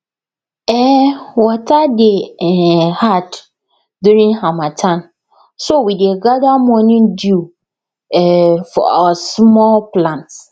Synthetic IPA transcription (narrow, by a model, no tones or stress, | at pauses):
ɛwɔtʰadeɛhad | duɾĩnhãmãtʰãn | sowidiɛɡadamɔ̃nɪ̃ndu | ɛfɔ̰a̰wasmɔlplãnt